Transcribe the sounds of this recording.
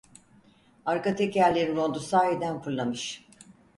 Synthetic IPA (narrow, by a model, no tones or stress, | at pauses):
aɾkat̪ʰecæɾlʲeɾinɾo̞nd̪usaːjed̪ænpʰuɾlˠamɯʃ